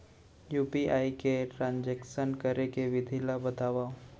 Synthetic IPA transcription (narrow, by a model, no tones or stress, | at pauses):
juːpiʔaːikeʈɾãːɲd͡ʒɛksənkəɾekeʋɪd̪ʱilabət̪aːʋa